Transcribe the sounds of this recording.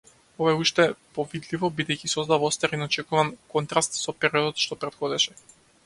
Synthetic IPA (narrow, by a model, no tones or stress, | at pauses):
ɔvaɛuʃt̪ɛpɔvid̪livɔbid̪ɛjcisɔzd̪avɔst̪aɾinɔt͡ʃɛkuvankɔnt̪ɾast̪sɔpɛɾiɔd̪ɔt̪ʃt̪ɔpɾɛt̪xɔd̪ɛʃɛ